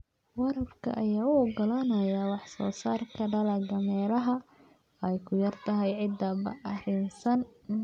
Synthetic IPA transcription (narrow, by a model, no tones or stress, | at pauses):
wɑɾɐbkʰɐ̰ʔɐjaːʊɔɡɐlaːnɐjɐwɑħsɔ̰ːsaːrkʰɐɖɐlɐɡɐmɛːlɐɦɐ | ɛjkʰʊjɐrt̪ʰɐɦɛjʕɪd̪ːɐbɐ̰ʔɐɾɪnsɐn